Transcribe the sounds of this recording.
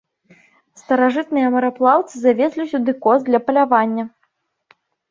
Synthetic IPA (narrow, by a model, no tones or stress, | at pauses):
st̪ɐɾaʐɨt̪̚nɨjɐmɐɾaplˠawt̪sɨzavʲesʲlʲisʲud̪ɨkɔzd̪lʲɐpɐlʲavanʲːɐ